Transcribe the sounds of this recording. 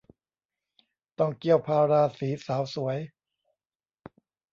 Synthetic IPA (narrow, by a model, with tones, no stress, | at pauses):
t̪ɔ˥˩ŋki˥˩əwpʰaː˧ɾaː˧siː˩˦saː˩˦wsu˩˦əj